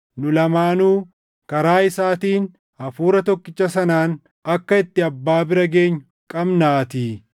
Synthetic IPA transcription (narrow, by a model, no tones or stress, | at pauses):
nʊlɐmaːnuː | kɐɾaːɪsaːt̪iːn | ɐfuːɾɐt̪ɔkːɪt͡ʃːɐsɐnaːn | ɐkːɐɪt̪ːɪɐbːaːbɪɾɐɡe̞ːɲːʊ | kʼɐbnaːt̪iː